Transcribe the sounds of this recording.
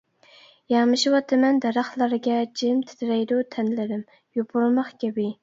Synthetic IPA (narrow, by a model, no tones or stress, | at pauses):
jɑŋmɨʃiwɑt̪ʰːɨmɛnd̪ɛɾɑχlˠɑɾɡʲɛd͡ʒimt̪ʰɪ̥t̪ʰɪɾɛjd̪ut̪ʰɛnlɪɾɪm | jobʊɾmɑχkʲɛbɪ